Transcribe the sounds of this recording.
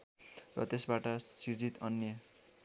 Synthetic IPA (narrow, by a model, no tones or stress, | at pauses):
rʌ̰t̪esbaʈʌsird͡zit̪ʌnjʌ